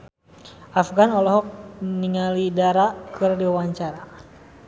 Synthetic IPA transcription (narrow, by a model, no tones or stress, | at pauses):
afɡanɔlɔɦɔk̚niŋalidaɾakɨrdiwawaɲt͡ʃaɾa